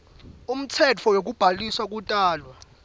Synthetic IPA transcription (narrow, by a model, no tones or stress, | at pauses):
um̩tʰɛt͡fʰɔwok̬ub̥ʱaliswak̬ʼutʼaːlwa